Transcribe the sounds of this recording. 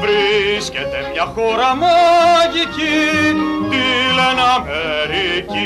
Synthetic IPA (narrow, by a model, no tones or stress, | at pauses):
vɾiscet̪emɲɐxoɾɐmaʝici | t̪ilenɐmeɾici